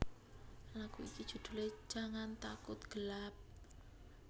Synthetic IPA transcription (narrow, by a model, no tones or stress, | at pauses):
lakuḭkid̥ʒ̥ṳd̪̥ṳle̥d͡ʒ̥a̤ŋant̪akʊt̪̚ɡ̥əlap̚